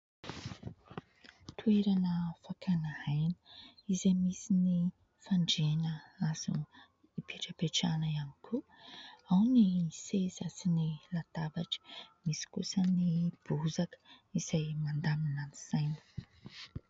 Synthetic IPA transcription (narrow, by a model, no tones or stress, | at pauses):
t̪ʰueɾanəfakʰanahajnə̥izemisini | faɳɖ͡ʐenəaz̥ṵ | ipʰeʈ͡ʂəpeʈ͡ʂanəianikʰu | awnisezasinilat̪abaʈ͡ʂə̥misi̥kusənib̥uzakə̥iz̥ajmand̪aminaniz̥ajnə̥